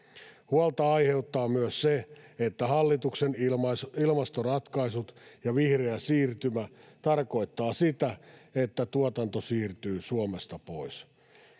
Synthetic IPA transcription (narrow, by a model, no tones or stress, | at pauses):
huɑlt̪ɑɑjhe̞ut̪ːɑːmyøsseet̪ːæhɑlːit̪uksenilmɑst̪orɑt̪kɑisut̪jɑʋihreæsiːrt̪ymæt̪ɑrko̞it̪ːɑːsit̪æet̪ːæt̪uot̪ɑnt̪osiːrt̪yːsuomest̪ɑpois